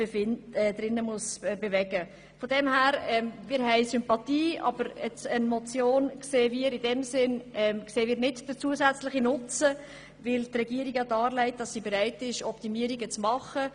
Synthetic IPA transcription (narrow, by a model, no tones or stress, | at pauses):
b̥efɪnɛd̪ɾɪnːəmʊsbevɛɡə | fɔdɛmhæːɾɛːmmɪːɾɦɛɪsʏmpɑtiːɑ̰b̥əɾɛt͡sənmɔt͡sjoːnkseːmiːəɾɪdɛmsɪnɛmkseːəmiːɾnɪtd̥ət͡suəsæt͡slɪχinʊt͡sə | vɪltrɛɡ̥iːəɾiɡɑdɑːɾlɛɪt̚d̥ɑsːibeɾɛɪtɪʃɔptimiəɾiɡət͡smɑχə